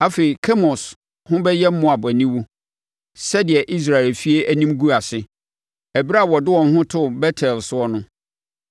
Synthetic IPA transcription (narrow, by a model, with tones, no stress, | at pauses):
a˦fe˨i˨kʰɛ˦mɔ˨s | hʊ̃˦bɛ˦jɛ˦m̩˦mːʊ̃˦˨a˨bʊ˨æ˨nĩ˦wu˦ | sɛ˦dɪ˨ɛ˨ʔi˦s̬ɾa˨ɪ˨lfi˦e˦ʔæ˦nĩ˦mɡu˦a˨sɪ˦ | æ˨bi˦ɾa˦˨wɔ˨dɪ˦wɔ̃˨n˦hʊ̃˦tʰʊ˦bɛ˦tʰɛ˨lsʊ˦ɔ˦nʊ̃˦